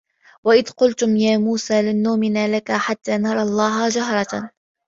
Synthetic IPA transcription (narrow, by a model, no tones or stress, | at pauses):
waʔɪðqʊlt̪ʊmjaːmuːsaːlɪnːʊmɪnaːlakaħat̪ːaːnɑɾˤɑlˤːɑːɦaːd͡ʒaɦɾˤɑ